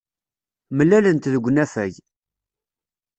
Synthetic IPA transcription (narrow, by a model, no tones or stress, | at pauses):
məlːælənt̪ðəɡʷːnæfæʝ